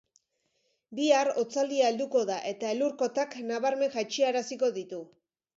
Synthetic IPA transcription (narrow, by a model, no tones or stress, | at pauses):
biaɾo̞t͡sald̪iaeld̪uko̞ðaʔe̞t̪ae̞luɾko̞t̪aknaβaɾme̞nʝat͡ʃiaɾasiko̞ðit̪u